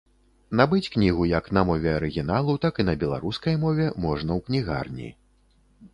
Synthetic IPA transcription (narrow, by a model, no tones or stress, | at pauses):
nabɨt͡sʲknʲiɣujɐknɐmɔvʲɛɐɾɨɣʲin̪alˠut̪akinɐbʲɛlˠa̰ɾuskɐjmɔvʲɛmɔʐnɐwknʲiɣa̰rnʲḭ